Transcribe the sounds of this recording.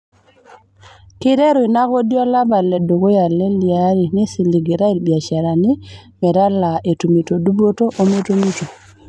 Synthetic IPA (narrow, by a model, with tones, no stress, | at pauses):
ki˦ɾɛ˦ɾu˨i˨na˦ko˦di˦ɔ˦la˦ba˨lɛ˨do˨ko˦ja˨lɛ˦li˨a˨˦ɾi˨ni˦si˨li˨ɡi˨ɾa˦i˨lbi˨a˨ʃa˨ɾa˨ni˦mɛ˨ɾa˦la˨ʔe˨tu˨mi˨to˨du˦bo˦to˦ʔo˦me˦to˦mi˦to˨